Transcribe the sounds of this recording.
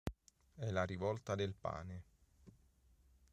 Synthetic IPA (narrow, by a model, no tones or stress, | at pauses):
ɛlaɾivɔlt̪ad̪elpa̰ːne